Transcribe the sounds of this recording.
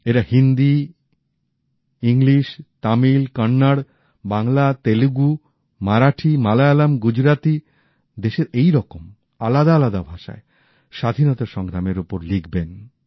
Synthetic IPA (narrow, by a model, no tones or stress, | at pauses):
eɾahind̪i | iŋliʃt̪amilkɔnːaɽ | baŋlat̪eluɡu | maɾaʈʰimalaalamɡud͡ʑɾat̪i | d̪eʃeɾejɾɔkom | alad̪aalad̪abʱaʃa̰e | ʃad̪ʱinɔt̪aʃɔŋɡɾameɾupoɾliɡben